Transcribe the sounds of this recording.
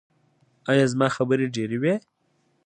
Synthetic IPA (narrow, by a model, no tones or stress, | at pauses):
ɑjɑzmɑːxabəɾeɖeɾewe